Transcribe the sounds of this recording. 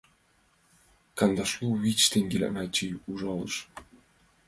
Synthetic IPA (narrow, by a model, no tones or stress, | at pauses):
kɑnd̪ɑʃlˠuβʲit͡ɕt̪eŋɡʲelʲæ̰næt͡ɕijuʒɑlˠɤ̰ʃ